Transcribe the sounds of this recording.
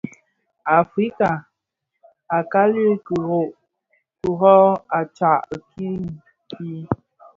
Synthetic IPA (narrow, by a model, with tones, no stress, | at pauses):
a˨fɾi˦ka˨ | a˨ka˦li˦ku˨o˦ʔ | ku˨ɦɔ˦a˨t͡ʃa˨ʔkʰi˦ŋ˨ | kʰi˦